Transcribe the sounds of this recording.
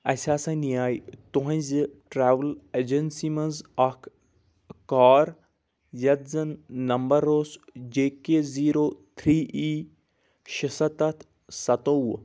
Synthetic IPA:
ɐsʲaːsãnijaːjt̪uɦɐ̃ziʈɾaːʋəled͡ʒɐnsimɐnzɐkʰ | kaːɾ | jɐt̪zɐnːɐmbɐɾoːsd͡ʒeːkeziːɾoːt̪ʰɾiːʔiː | ʃɪsɐt̪ɐt̪ʰ | sɐt̪oːw

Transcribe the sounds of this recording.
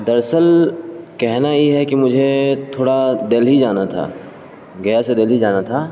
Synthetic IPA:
d̪ɐɾsəlkɛɦnajeɦɛkimʊd͡ʒʱet̪ʰoːɽad̪eːlɦid͡ʒaːnat̪ʰa̰ː | ɡɐjased̪eːlɦid͡ʒaːnat̪ʰaː

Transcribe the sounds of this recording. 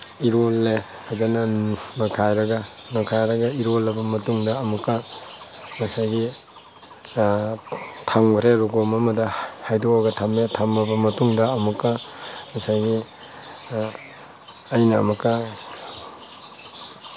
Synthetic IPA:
iɾolːe | hazanɐnakʰajɾɐɡɐnɐkʰajɾɐɡɐiɾolɐbɐmɐtuŋdɐːmukːa | mɐsajɡi | tʰaŋbɐɾeɾuɡomɐmɐdɐhajdoaɡɐtʰametʰamɐbɐmɐtuŋdɐːmukːamɐsajɡi | jnɐːmukɐ

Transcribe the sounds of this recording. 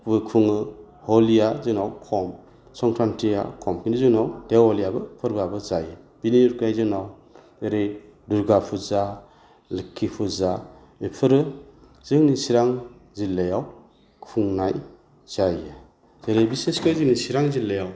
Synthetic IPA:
bɯkʰuŋɯ | hɔlijazɯnawkʰɔm | sɔŋtʰɾantʰija̰kʰɔmkʰinizɯnawtewɔlijabɯpʰɯɾbabɯzaja | b̥iniuɾkajzɯnaw | eɾe | duɾɡapʰuza | lɯkʰːipʰuza | ipʰɯɾɯ | z̥ɯŋnisiɾaŋ | zilːajaw | kʰuŋnaj | z̥aja | zeɾebiseskajzɯŋnisiɾaŋzilːejaw

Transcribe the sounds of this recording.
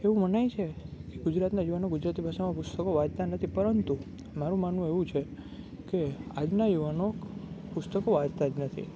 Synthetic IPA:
eʋũmənajt͡ʃʰekeɡʊd͡ʒɾat̪najuʋanoɡʊd͡ʒɾat̪ibʱaʃamãpʊst̪əkoʋad͡ʒt̪anət̪ʰipəɾənt̪u | maɾũmanũeʋũt͡ʃʰe | kead͡ʒnajuʋanokpʊst̪əkoʋad͡ʒt̪ad͡ʒnət̪ʰḭ

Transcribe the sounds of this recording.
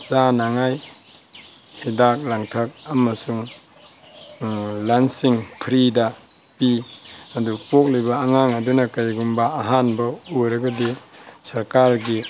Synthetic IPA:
t͡ʃanaŋaj | hidak̚laŋtʰak̚amɐsuŋ | lansiŋpʰɾida | piadupok̚libaːŋaŋadunakajɡumbaːɦanbɐuɾaɡadisɐɾkaɾɡi

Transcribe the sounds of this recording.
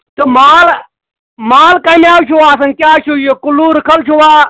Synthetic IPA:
t̪ɐmaːl | maːlkɐmjaːwt͡ʃʰuwaːsɐŋkʲaːt͡ʃʰujokʊluːɾɪkʰɐlt͡ʃʰuwaː

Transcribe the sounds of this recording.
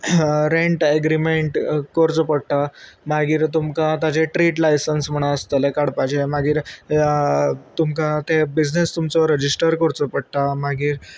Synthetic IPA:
ɾeɳʈeɡɾimeɳʈkɔɾt͡sopəɽ̚ʈ̪amaɡiːɾt̪umkat̪ad͡ʑeʈɾiʈlajsənsm̤əɽ̃ãəst̪əlekaɽpajd͡ʑemaɡiːɾ | t̪umkat̪ebid͡znest̪umt͡sɔɾəd͡ʑisʈəɾkɔɾt͡sopəɽʈ̪amaɡiːɾ

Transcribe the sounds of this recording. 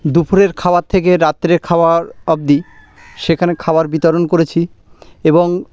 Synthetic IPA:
d̪upʰuɾeɾkʰaoaɾt̪ʰːekeɾat̪ːɾeɾkʰaoaɾɔb̚d̪i | ʃekʰanekʰaoaɾbit̪oɾonkoɾet͡ɕʰi | eboŋ

